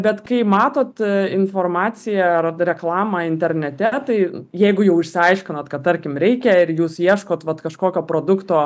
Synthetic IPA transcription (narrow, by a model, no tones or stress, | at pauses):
bʲɛt̪kɐɪmɑːt̪oːt̪ɪnfoːrmɑːt͡ssʲɪjɛɐrɾʲɛklˠɑːmɑɪnʲt̪ʲɛɾʲnʲɛt̪ʲɛt̪ɐɪjɛɪɡʊjɛʊɪʃʲsʲɪɐɪʃʲkʲɪnoːt̪kɐt̪̚t̪ːɐɾʲkʲɪmɾʲɛɪkʲɛɪɾjuːsjiɛʃkoːt̪ʋɐt̪kɐʃkoːkʲoːpɾoːd̪ʊkt̪oː